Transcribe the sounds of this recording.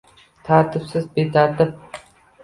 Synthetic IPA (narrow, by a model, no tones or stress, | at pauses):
t̪ʰaːt̪ʰɪpsɪzbet̪ʰat̪ɪp̚